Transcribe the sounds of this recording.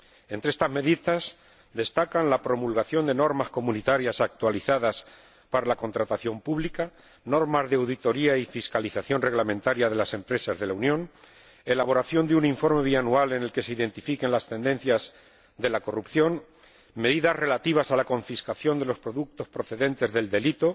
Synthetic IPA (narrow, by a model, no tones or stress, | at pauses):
e̞nt̪ɾeest̪azme̞ðiðas | d̪e̞st̪akanlapɾo̞mulɣaθjo̞nd̪e̞no̞ɾmasko̞mũnit̪aɾjasak̚t̪waliθaðas | paɾalako̞nt̪ɾat̪aθjo̞mpuβlika | no̞ɾmazðeawðit̪o̞ɾiaifiskaliθaθjo̞nre̞ɣlamẽnt̪aɾjaðe̞lase̞mpɾe̞sazðe̞launjõ̞n | e̞laβo̞ɾaθjo̞nd̪euniɱfo̞ɾme̞β̞ianualene̞lke̞seiðe̞nt̪ifike̞nlast̪e̞nd̪e̞n̟θjaz | ðe̞lako̞rupθjo̞n | me̞ðiðazre̞lat̪iβ̞asalako̞ɱfiskaθjo̞nd̪elo̞spɾo̞ðuk̚t̪o̞spɾo̞θe̞ðe̞nt̪e̞zðe̞ld̪e̞lit̪o̞